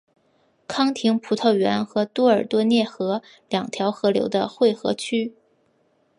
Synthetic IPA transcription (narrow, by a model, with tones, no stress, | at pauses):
kʰɑ˥ŋt̪ʰi˧˥ŋpʰu˧˥t̪ʰɤ˥˩ʊɥɛ̰˧˥nxɤ˧˥t̪wɔ˥ə˞˨˩t̪wɔ˥njɛ˥˩xɤ˧˥ | ljɑ˨˩ŋt̪ʰjɑ˧˥ʊxɤ˧˥ljo̰˧˥ʊd̪ə̰˧xwe˥˩ɪxɤ̰˧˥t͡ɕʰy˥